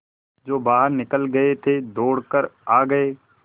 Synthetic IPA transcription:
d͡ʒoːbaːɦəɾnɪkəlɡɐet̪ʰed̪oːɽkəɾaːɡɐeː

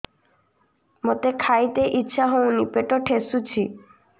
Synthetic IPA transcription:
mot̪ekʰajt̪eʔitːɕʰaɦownipeʈoʈʰesut͡ɕʰi

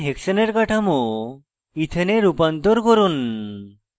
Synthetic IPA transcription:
ɦeksəneɾkaʈʰamo | it̪ʰeneɾupant̪ɔɾkɔɾun

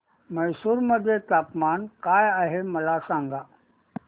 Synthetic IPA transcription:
məjsuːɾməd̪ʱːjet̪apmankajaɦeməlasãŋɡa

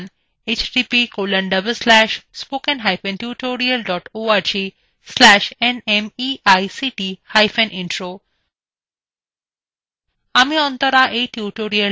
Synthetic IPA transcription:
n | et͡ʃɖiːpikoːlə̃ɳɖɐbəlslæʃspoːkə̃nɦaɪfẽnʈjuːʈoːɾiəlɖɔːʈoːaɾd͡ʒiː | slæʃenemiːajsiʈihajfẽnʔɪ̃ɳʈɾoː | amiɔ̃nt̪ɔɾaʔeʈjuʈoːɾiəl

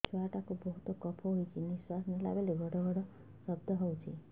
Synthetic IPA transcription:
t͡ʃʰuaʈakobɔɦut̪okɔpʰɔɦojt͡ʃʰiniswasnila̰beleɡʱɔɽɔɡʌɽɔ | sʌb̚d̪ʱʌɦɔwt͡ʃʰi

